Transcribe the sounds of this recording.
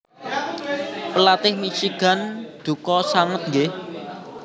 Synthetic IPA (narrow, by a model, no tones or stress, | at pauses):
pəlat̪ɪhmit͡ʃiɡ̥a̤nd̪̥ṳkɔsaŋət̪̚ŋɡɪh